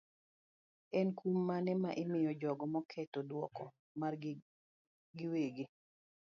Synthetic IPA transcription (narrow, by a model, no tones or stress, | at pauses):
ɛnkumːanɛmaʔɪmɪjɔd͡ʒɔɡɔmɔkʰɛtodwɔkɔ | mar | ɡɪweɡi